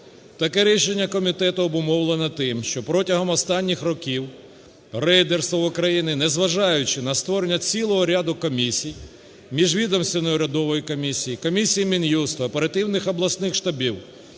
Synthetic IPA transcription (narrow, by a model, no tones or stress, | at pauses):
t̪ɐkɛɾʲiʃenʲːɐkɔmʲit̪ɛt̪ʊɔbʊmɔwlˠenɛt̪ɪmʃt͡ʃɔpɾɔtʲɐɦɔmɔst̪ɑnʲːixrɔkʲiw | rɛjd̪erst̪ʋɐʊkɾɐjinɪnɛzʋɐʒɑjʊt͡ʃɪnɐst̪ʋɔɾenʲːɐt͡sʲilˠɔɦɔɾʲad̪ʊkɔmʲisʲij | mʲiʒʋʲid̪ɔmst̪ʋʲɪnɔjʊɾʲɐd̪ɔʋɔjikɔmʲisʲijikɔmʲisʲijimʲinjust̪ɐɐpeɾɐt̪ɪwnɪxɔblˠɐsnɪxʃt̪ɐbʲiw